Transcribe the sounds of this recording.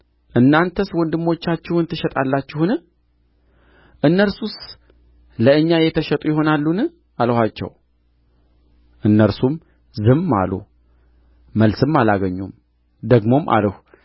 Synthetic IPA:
ʔɨnːant̪ʰəswɔnd̪ɨmːo̞t͡ʃːat͡ʃːɪhɨnt̪ʰɨʃɛt̪ʼalːat͡ʃːɪhunɨ | ʔɨnːəɾsus | ləɨɲːajɛt̪ʰəʃət̪ʼujɪho̞nalːunɨ | alhat͡ʃːɛ̰w | ʔɨnːəɾsum | zɨmːa̰lṵ | məlsɨmːalaɡəɲːum | d̪əɡmo̞mʔa̰lhʷ

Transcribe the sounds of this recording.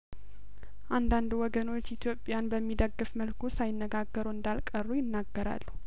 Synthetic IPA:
ʔand̪and̪uwɔɡəno̞t͡ʃːit̪ʰjo̞pʼːjanbəmːid̪əɡːɨfməlkʰusajɪnːəɡaɡːəɾuɨnd̪alkʼərːujɪnːaɡːəɾa̰lːu

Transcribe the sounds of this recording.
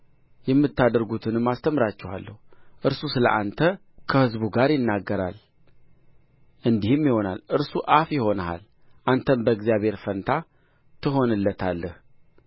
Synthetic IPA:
jɛmːɨt̪ːad̪əɾɡut̪ʰɨnɨmːast̪ʰəmɾat͡ʃːɛha̰lːə̰huʔɨɾsusɨlə̰ʔant̪ʰə | kʰəhɨzbuɡaɾjɪnːaɡːəɾa̰l | ʔɨnd̪ihɨmːjɪho̞na̰lʔɨɾsuʔafjɪho̞nəha̰l | ʔant̪ʰənbəɡzijaβhe̞ɾfənt̪ʰa | t̪ʰɨɦo̞nɨlːət̪ʰalːəh

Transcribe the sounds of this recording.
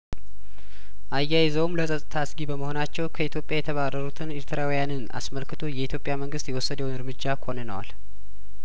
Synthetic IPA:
ʔajːajzəwmləsʼət̪ʼɨt̪ʰasɡibəməho̞nat͡ʃːɛwkʰəit̪ʰjo̞pʼjajɛt̪ʰəβaɾəɾut̪ʰɨnɪɾt̪ʰɨɾawijanɨna̰sməlkɨt̪ʰo̞jɛit̪ʰjo̞pʼːjaməŋɡɨst̪jɛwɔsːəd̪əwnɨɾmɨd͡ʒːakʰo̞nənəwa̰l

